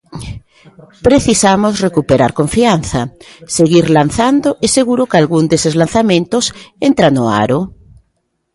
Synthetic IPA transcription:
pɾeθisamosrekupeɾaɾkoɱfian̟θɐseɣiɾlan̟θand̪oʔeseɣuɾokalɣund̪esezlan̟θamẽnt̪ʊsent̪ɾanoa̰ɾo

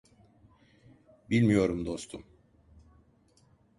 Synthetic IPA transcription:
bilʲmijo̞ɾumd̪o̞st̪ʰum

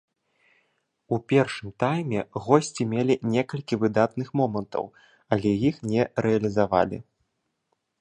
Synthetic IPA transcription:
upʲɛrʂɨmt̪ajmʲɛɣɔsʲt͡sʲimʲɛlʲinʲɛkɐlʲkʲivɨd̪at̪nɨxmɔmɐnt̪ɐ̰w | ɐlʲɛjixnʲɛɾɛɐlʲizava̰lʲḭ

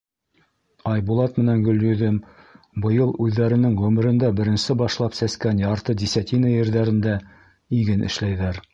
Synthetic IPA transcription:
ɑjbulˠɑt̪mɘ̆næŋɡɵ̆ljɵ̆ðɘm | bɤ̆jɤlˠʉðːæɾɘ̆nɘŋʁɵmɘ̆ɾɘ̆nd̪æbɘ̆ɾɘ̆nsɘbɑʃlˠɑpsæskænjɑɾt̪ɤd̪ʲisʲæt̪ʲinɑjɘ̆ɾðæɾɘ̆nd̪æ | iɡɘnʔɘ̰̆ʃlæjðæɾ

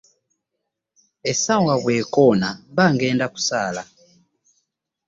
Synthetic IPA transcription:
esawaβwekonaβaŋɡeːndaku̥saːla

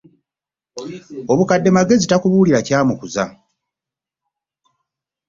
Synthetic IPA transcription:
o̞βukadːe̞maɡe̞zitakuβuːliɾacaːmukuza̰

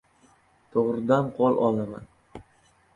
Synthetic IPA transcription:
t̪ʰoʁɾɪd̪anqʰɒlˠɒlˠama̰n

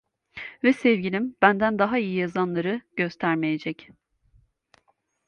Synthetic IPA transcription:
vɛsɛvɟilʲimb̥ænd̪ænd̪aɦaijijazanlˠaɾɯɟ̥øst̪ʰæɾmejed͡ʒɛc

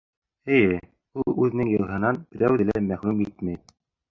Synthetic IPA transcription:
ɘ̆jɘ | ulˠʉðɘ̆nɘŋjɤ̆lˠɦɤ̆nɑnb̥ɘ̆ɾæwðɘ̆læmæχlʉmit̪mæj

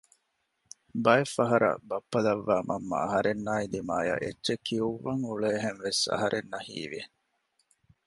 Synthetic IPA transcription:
bɐefɐɦɐɾɐ̰bɐpːɐlɐʋːaːmʔɐmːɐ̰ːɦɐɾenːaːid̪imaːja̰ʔetːt͡ʃekːiuʋːɐŋuɭeːɦeŋʋesɐ̰ɦɐɾʔenːɐhḭːʋie

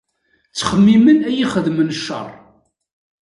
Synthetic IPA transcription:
t͡sːχəmːimənæjiχəðmənʃːə̰rˤ

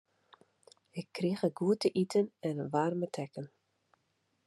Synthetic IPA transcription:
ɪkʰːrixəɡuətəʔitʰənɛnəʋarmətʰɛkən

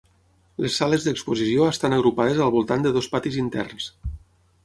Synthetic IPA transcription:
lesːaləzðəkspuzisioəst̪anəɣɾupað̞əzəlˠβulˠt̪and̪əðospat̪izint̪ɛ̰rns

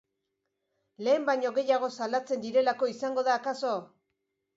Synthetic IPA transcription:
le̞ːmbaɲo̞ɣe̞jaɣ̞o̞salat͡se̞nd̪iɾe̞lako̞isaŋɡo̞ð̞aːkaso̞

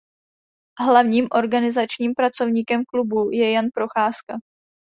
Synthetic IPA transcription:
ɦlavɲiːmʔo̞ɾɡanɪzat͡ʃɲiːmpɾat͡so̞vɲiːkɛmklubujɛjanpɾo̞xaːska

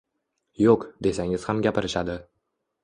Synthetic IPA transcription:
joqd̪e̞saŋɪz̥hamɡʲapʰɪɾɪʃad̪ɪ

